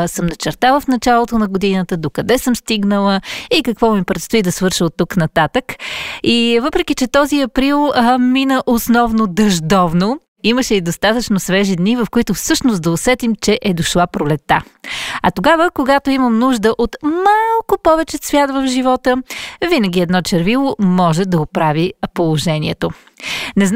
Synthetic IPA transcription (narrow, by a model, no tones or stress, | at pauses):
səmnɐt͡ʃɛɾt̪alˠəfnɐt͡ʃalˠot̪onɐɡod̪inət̪əd̪okɐd̪ɛsɤmst̪iɡnəlˠəikɐkvɔmipɾɛt̪st̪oid̪ɐsvɤɾʃəlˠt̪ːuknɐt̪at̪əkivɤpɾɛk̟it͡ʃɛt̪ɔziɐpɾilˠminəʔosnɔvnod̪ɐʒd̪ɔvno | iməʃɛid̪ost̪at̪ət͡ʃnosvɛʒid̪nivɐfkoit̪ʊfsɤʃnosd̪ɐosɛt̪imt͡ʃɛʔɛd̪oʃlˠapɾolɛt̪ːaɐt̪oɡavəkoɡat̪oiməmnuʒd̪əʔot̪malˠkopɔvɛt͡ʃɛsvʲjat̪vəvʒivɔt̪əvinəɡʲiɛd̪nɔt͡ʃɛɾvilˠomɔʒɛd̪ɐopɾavipolˠoʒɛnʲiɛt̪o | nɛzn